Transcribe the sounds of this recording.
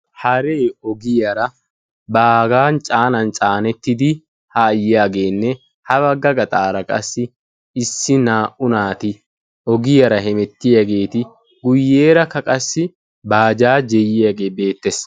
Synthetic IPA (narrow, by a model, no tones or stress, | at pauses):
hɐɾeːɔɡɪjɐɾɐ | baːɡaːnt͡ʃʼaːnɐnt͡ʃʼaːnɛt̪ːɪd̪ɪ | haːjɪjaːɡe̞ːnːɛ | hɐbɐɡɐɡɐt̪ʼaːɾɐkʼɐ̰sːɪ | ɪsːɪnaːʔʊnaːt̪ɪ | ɔɡɪjɐɾɐɦɛmɛt̪ːɪjɐɡe̞ːt̪ɪ | ɡʊjːeːɾɐkɐkʼɐsːɪ | baːd͡ʒaːd͡ʒɛjɪjaɡe̞ːbe̞ːt̪ːes